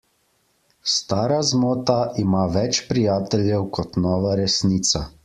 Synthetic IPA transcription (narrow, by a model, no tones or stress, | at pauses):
st̪aːɾazmoːt̪aʔimaːʋɛt͡ʃpɾijaːt̪ɛljɛwkʰɔt̪nɔːʋaɾɛsniːt̪sa